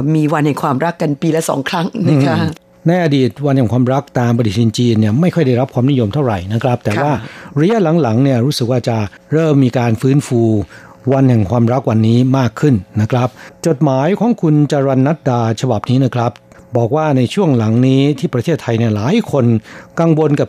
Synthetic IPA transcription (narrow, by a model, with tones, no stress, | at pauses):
miː˧wa˧nhɛ˨˩kʰwaː˧mɾa˦˥kːa˧npiː˧lɛ˦˥sɔ̰ː˩˦ŋkʰɾa˦˥ŋna˦˧ka˦˥ | na˧jʔaː˧diː˨˩t̪̚wa˧nhɛ˨˩kwaː˧mɾa˦˥k̚t̪aː˧mpa˧di˨˩t̪̚iː˧nt͡ɕiː˧nːi˥˩ɐma˥˩jkʰɔ˥˩jda˥˩jɾa˦˥p̚kʰwaː˧mni˦˥jo˧mt̪ʰa˥˩wɾa˨˩jna˦˥kʰɾa˦˥p̚t̪ɛː˨˩waː˥˩ɾa˧˥ja˥la˩˦ŋla˩˦ŋni˥˩ɐɾuː˦˥sɯ˨˩k̚waː˥˩t͡ɕa˨˩ | ɾɤː˥˩mːiː˧kaː˧nfɯː˦˥nfuː˧ | wa˧nhɛ˨˩ŋkʰwaː˧mɾa˦˥k̚wa˧nːiː˦˥maː˥˩kʰːɯ˥˩nːa˦˥kʰɾa˦˥p̚t͡ɕo˨˩t̪̚maː˩˦jkʰɔː˩˦ŋkʰu˧nt͡ɕa˧ɾa˧nːa˦˥t̪̚daː˧t͡ɕʰa˧ba˨˩p̚niː˦˥na˦˥kʰɾa˦˥p̚ | bɔː˨˩k̚waː˥˩na˧jt͡ɕʰu˥˩əŋla˩˦ŋniː˦˥t̪ʰiː˥˩pɾa˧t̪ʰeː˥˩t̪ʰːa˧jni˥˩laː˩˦jkʰo˧nka˧ŋwo˧nka˨˩p